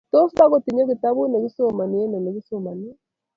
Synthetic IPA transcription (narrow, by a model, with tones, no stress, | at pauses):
to˦sa˦ɣo˨ti˨ɲo˦ɣi˨ta˦βu˦ne˨βi˦so˦ma˨ni˨e˦ne˨ne˨ɣi˦so˨ma˨ni˦e˦